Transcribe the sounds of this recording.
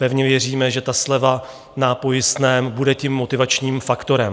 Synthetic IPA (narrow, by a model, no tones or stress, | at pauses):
pɛvɲɛvjɛriːmɛʒɛt̪aslɛva | napo̞jɪst̪nɛːmbudɛcɪmːo̞t̪ɪvat͡ʃɲiːmfakt̪o̞ɾɛm